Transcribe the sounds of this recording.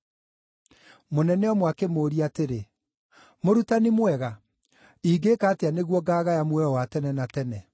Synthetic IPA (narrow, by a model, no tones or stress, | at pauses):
monɛnɛɔmwakemoːɾiateɾe | moɾutanimwɛɣa | iːɡeːkaːteaneɣwɔɡaːɣajamwɛɔwatɛnɛnatɛnɛ